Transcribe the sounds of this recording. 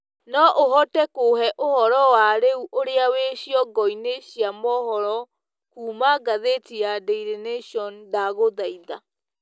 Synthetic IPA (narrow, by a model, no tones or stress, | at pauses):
nɔʔoɦɔtɛkohɛʔohɔɾɔwaɾeuʔoɾeaweɕiɔɡɔineɕjamɔhɔɾɔ | kuːmaɡaðetijadeiɾeneʃɔndaɣoðaiða